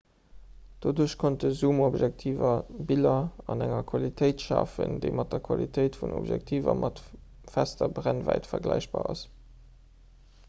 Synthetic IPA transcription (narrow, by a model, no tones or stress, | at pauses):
d̥oduɐɕkʰont̚dəzuːmobʒæk̚tʰiːvɐbilɐɑnæŋɐkʰwɑlitʰəɪtʃɑːfəndəɪmɑt̚dɐkʰwɑlitʰəɪtfuno̰bʒæ̰k̚tʰiːvɐmʔɑt | fæstɐbʁænvæɪtfɐɡlæɪɕb̥aːɑs